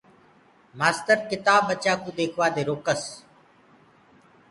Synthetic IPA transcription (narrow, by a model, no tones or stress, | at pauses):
maːst̪əɾkɪt̪aːbət͡ʃaːkũːd̪eːkʰʋaːd̪eːɾoːkəs